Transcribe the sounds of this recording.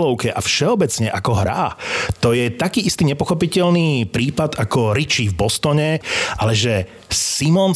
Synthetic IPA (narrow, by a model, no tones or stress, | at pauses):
lɔʊkɛʔafʃɛɔbɛt͡sɲɛʔakɔɦɾa̰ːt̪ɔjɛt̪akiːist̪iːɲɛpɔxɔpicɛʎniːpɾiːpad̪akɔɾit͡ʃivbɔst̪ɔɲɛʔalɛʒɛ | simɔn